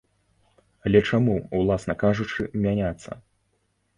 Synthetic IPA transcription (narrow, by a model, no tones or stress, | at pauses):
ɐlʲɛt͡ʂamuwlˠasnɐkaʐut͡ʂɨmʲanʲat̪sːɐ̰